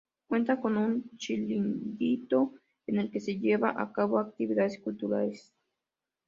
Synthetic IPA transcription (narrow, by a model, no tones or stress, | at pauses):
kwe̞nt̪ako̞nunt͡ʃilind̪it̪o̞ | ene̞lke̞se̞ʎeβa̰ʔakaβo̞ak̚t̪iβiðaðeskult̪uɾaɾes